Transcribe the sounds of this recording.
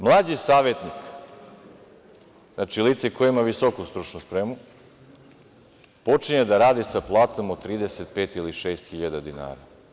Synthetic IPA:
mlˠaːd͡ʑisaːʋjet̪nik | znat͡ʃilit̪sekojeimaʋisokust̪ɾut͡ʃnuspɾemu | po̞t͡ʃiɲed̪aɾaːd̪isaplˠaːt̪omot̪ɾiːd̪e̞set̪̚peːt̪iliʃe̞ːst̪xiʎad̪ad̪ina̰ːɾa̰

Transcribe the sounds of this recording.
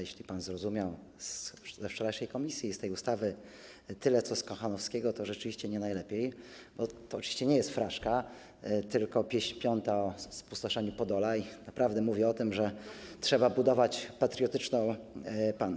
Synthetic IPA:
jɛɕlʲipanzɾɔzumʲjaw | szɛft͡ʂɔɾajʂɛjkɔmʲisʲjiːst̪ɛjust̪avɘ | t̪ɘlɛt̪sɔskɔ̃xanɔfskʲɛɡɔt̪ɔʐɛt͡ʂɘviɕt͡ɕɛɲɛnajlɛpʲej | bɔt̪ɔːt͡ʂɨvʲiɕt͡ɕɛɲɛjɛst̪fɾaʂka | t̪ɘlkɔpʲjeɕpʲjɔnt̪aɔspu̥st̪ɔʂɛɲupɔd̪ɔlanapɾavd̪ɛmuvʲjɛɔt̪ɘmʐɛtʂɛbabud̪ɔvat͡ɕpat̪ɾʲjɔt̪ɘt͡ʂnɔ̃w̃pan

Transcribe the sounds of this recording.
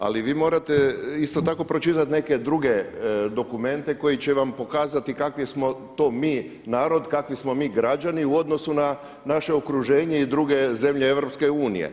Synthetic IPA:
a̰liʋiːmo̞ːɾat̪e̞ist̪o̞t̪ako̞pɾo̞t͡ʃit̪at̪ne̞ke̞d̪ɾuɡe̞d̪o̞kume̞nt̪e̞ko̞jit͡ɕe̞ʋampo̞kaːzat̪ikakʋismo̞t̪o̞ːmiː | naːɾo̞d̪kakʋismo̞miːɡɾad͡ʑaniuo̞d̪nosuna | naʃe̞okɾuʒe̞ːɲeid̪ɾuɡe̞ze̞mʎeeʋɾo̞pske̞uːnḭjḛ

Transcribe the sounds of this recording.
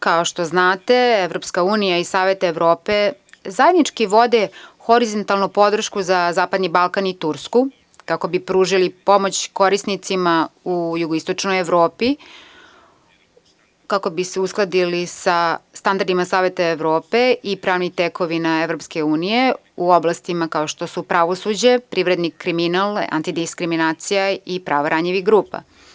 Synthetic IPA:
kaoʃt̪o̞znaːt̪eeʋɾo̞pskauːnijaisaːʋe̞t̪aeʋɾo̞ːpezajed̪nit͡ʃkiʋo̞d̪exo̞ɾizont̪alnupo̞d̪r̩ʃkuzazaːpad̪nibalˠkanit̪uɾsku | kako̞bipɾuːʒilipo̞mo̞t͡ɕko̞ɾisnit̪simaujuɡoist̪ot͡ʃnojeʋɾo̞ːpi | kako̞biseusklˠad̪ilisast̪and̪aɾd̪imasaːʋe̞t̪aeʋɾo̞ːpe̞ipɾaːʋnixt̪eko̞ʋinaeʋɾo̞pskeuːnije̞ | uoblˠast̪imakao̞ʃt̪o̞supɾaʋo̞sud͡ʑepɾiʋɾed̪nikɾiminalˠa̰nt̪id̪iskɾiminaːt̪sijaipɾa̰ːʋaɾaɲiʋiɡɾuːpa̰

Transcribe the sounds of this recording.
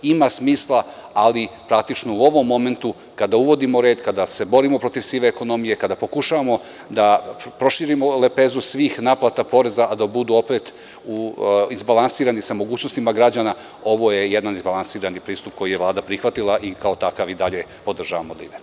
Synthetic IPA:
imasmiːslˠaalipɾak̚t̪it͡ʃnouo̞ʋo̞mːo̞me̞nt̪u | kad̪auʋo̞d̪imoɾeːd̪kad̪ase̞bo̞ɾimo̞pɾo̞t̪iʋsiːʋeːko̞no̞mije̞kad̪apo̞kuʃaʋamo̞ | d̪apɾo̞ʃiɾimo̞le̞peːzusʋiːxnaːplˠat̪apo̞ɾe̞zaad̪abud̪uo̞pet̪ | uizbalˠansiːɾanisamo̞ɡuːt͡ɕnost̪imaɡɾad͡ʑana | o̞ʋo̞jejed̪anizbalˠansiːɾanipɾiːst̪up̚ko̞jijeʋlˠaːd̪apɾixʋat̪ilˠaʔikaot̪akaʋid̪aʎepo̞d̪r̩ʒaʋamod̪ḭd̪e

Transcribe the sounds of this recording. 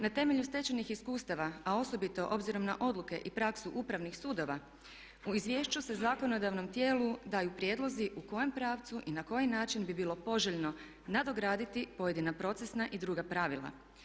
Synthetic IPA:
nat̪e̞me̞ʎust̪e̞t͡ʃenixiskuːst̪aʋaao̞so̞bit̪o̞ʔo̞bziɾo̞mnaʔo̞d̪lˠuke̞̰ʔipɾaksuʔupɾaʋnixsuːd̪o̞ʋa | uizʋje̞ːʃt͡ɕuse̞zako̞no̞d̪aʋno̞mt̪je̞ːlˠud̪aːjupɾjed̪lˠo̞ziʔuko̞je̞mpɾaːʋt̪suʔinako̞jinaːt͡ʃinbibiːlˠo̞po̞ʒeʎno̞ | nad̪o̞ɡɾaːd̪it̪ipo̞je̞d̪inapɾo̞t̪se̞snaʔid̪ɾuːɡapɾaʋilˠa̰

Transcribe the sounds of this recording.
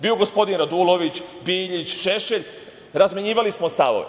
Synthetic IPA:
biːoɡospo̞d̪inɾad̪ulˠoʋit͡ɕbiːʎit͡ɕʃe̞ʃeʎ | ɾazmeɲiːʋalismost̪aʋoʋe

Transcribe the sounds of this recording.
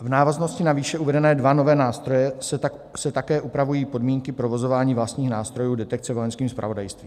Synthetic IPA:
vnaːvazno̞scɪnaviːʃɛʔuvɛdɛnɛːdvano̞vɛːnaːst̪ɾojɛs | sɛt̪akɛːʔupɾavujiːpo̞dmiːŋkɪpɾo̞vo̞zo̞vaːɲiːvlast̪ɲiːxnaːst̪ɾo̞juːdɛt̪ɛk̪̚t͡sɛvo̞jɛnskiːmspɾʔa̰vo̞dajst̪viːm

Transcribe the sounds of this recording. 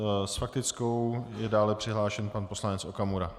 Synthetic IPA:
sfak̚t̪ɪt͡sko̞wjɛdaːlɛpr̥ɪɦlaːʃɛnpanpo̞slanɛt͡sʔokamuɾa

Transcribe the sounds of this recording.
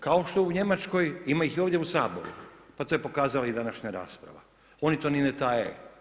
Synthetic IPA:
kao̞ʃt̪o̞uɲe̞mat͡ʃko̞jimaixioʋdjeusaːbo̞̰ɾṵpat̪ojepo̞kaːzalaid̪anaʃɲaɾa̰ːspɾa̰ʋa̰ | o̞nit̪o̞ninet̪aje

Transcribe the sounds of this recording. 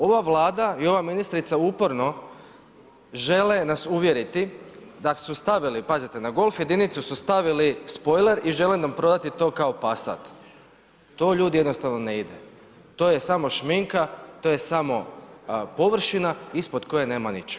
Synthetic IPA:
o̞ʋaʋlˠaːd̪aio̞ʋaminist̪ɾit̪saupo̞ɾno̞ | ʒe̞lenasuʋje̞ɾit̪id̪asust̪aʋilipazit̪enaɡo̞lˠfje̞d̪init̪susust̪aʋilispo̞jle̞ɾiʒe̞lenampɾo̞d̪at̪it̪o̞ːkaopasa̰t̪ː | o̞ːʎuːd̪ijenost̪aʋno̞neid̪e | t̪o̞ːjesamo̞ʃmiŋkat̪ojesamo̞ | po̞ʋr̩ʃinaispo̞d̪ko̞jene̞ːmanit͡ʃ

